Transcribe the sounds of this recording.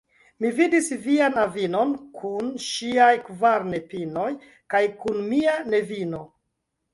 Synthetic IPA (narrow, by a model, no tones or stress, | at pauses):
mividisvianavino̞nkʰunʃiajkvaɾne̞pino̞j | kajkunmiane̞vino̞